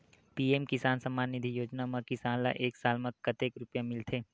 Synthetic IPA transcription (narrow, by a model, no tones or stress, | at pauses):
piːeːmkɪsaːnsɐmːaːnːɪd̪ʱijoːd͡ʒnamãkɪsaːnla̰ʔeːksaːlmɐ̃kɐt̪eːkɾʊpjamɪlt̪ʰeː